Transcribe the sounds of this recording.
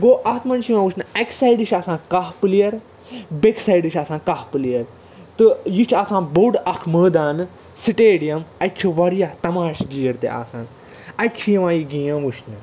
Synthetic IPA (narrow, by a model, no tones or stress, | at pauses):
ɡoːʔɐt̪ʰmɐnt͡ʃʰjiʋãːʋuʃʰnɨɐksajɖɨʃʰʲaːsãːkahplijɐɾ | beksaiɖɨt͡ʃʰʲaːsãːkahpɨlijɐɾ | t̪ɨjit͡ʃʰaːsãːnboɖɐkʰməːd̪aːnɨ | siʈeːɽijɐmɐt͡ʃʰuʋɐɾijaːt̪ɐmaːʃɡiːɐɾt̪ḛʔa̰ːsãːn | ɐt͡ʃʰijiʋãːjiɡĩːjɐ̃ʋuʃʰnɨ